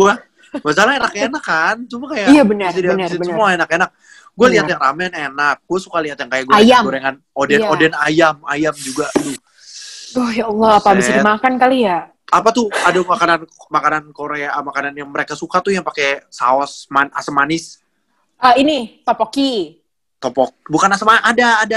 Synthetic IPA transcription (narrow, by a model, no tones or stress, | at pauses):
ɡua | mas̬alaenakenakːant̪umakajaabənəsidasɪsəmuaenakenak̚ | ɡualiat̪jaŋramɛnenak̚ɡuasukaliɦat̪jaŋkajaʔɡuajamuɾeŋan | odɛodɛnajama̰jamd͡ʒuɡat̪ʊ | ɔhjaɔlːɔapabisadimakankalija | apat̪ʊadamakananmakanankoɾeamakananjaŋməɾekasukat̪ʊjaŋpakesa̰ɔsmana̰səmanɪs | əinit̪ɔpɔki | t̪ɔpɔk̚bukanasəmanadaːda